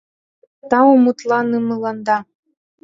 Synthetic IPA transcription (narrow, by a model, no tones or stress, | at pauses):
t̪ɑumut̪lˠɑnɯmɯlˠɑnd̪ɑ